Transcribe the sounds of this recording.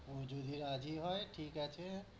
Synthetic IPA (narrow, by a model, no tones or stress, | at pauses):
mod͡ʒud̪ʱiɾad͡ʒiɦojʈʰikɛt͡ʃʰe